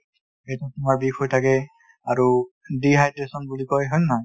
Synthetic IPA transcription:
ejtɛtumaɹbikʰhojtʰakɛ | aɹu | diɦajdɹesɔnbulikɔjɦɔjnːa

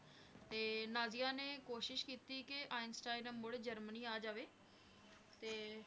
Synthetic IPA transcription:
t̪eːnaːzijãːneːkoːʃɪʃkiːt̪iːkɪʔaːɪnsʈaːɪnəmːoɽed͡ʒəɾməniːaːd͡ʒaːʋeː | t̪eː

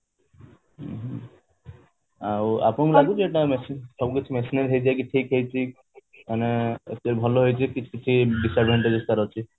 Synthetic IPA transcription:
ɦ | awa̰pnõmilaɡud͡ʒeʈamesisɔbkit͡ʃʰimesineɾɦejd͡ʒajk̬iʈʰikɦejt͡ʃʰi | aneet̪eɾbʱɔloɦojt͡ʃʰikit͡ʃʰu̥kit͡ʃʰiɖisaɾɾeɳʈed͡ʒest̪aɾɔt͡ʃʰi

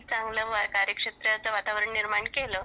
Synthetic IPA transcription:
t͡saŋɡləʋakaɾjəkʂet̪ɾjat͡səʋat̪aʋəɾəɳniɾmaɳkelə

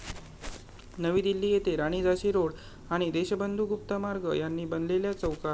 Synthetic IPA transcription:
nəʋiːd̪ilːiːjet̪eɾaɽ̃iːd͡zaɕiːɾoɽ | aɽ̃id̪eɕəbənd̪ʱuːɡup̚t̪əmaɾɡəjanːiːbənleljat͡səwka

